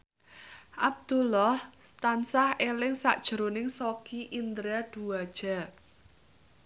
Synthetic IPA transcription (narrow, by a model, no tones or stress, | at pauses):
ʔab̚d̪̥ulɔhst̪ansahelɪŋsa̰ʔd̥ʒ̥ə̤ɾonɪŋsokiʔind̪ɾaɖ̥uwad̥ʒ̥a̤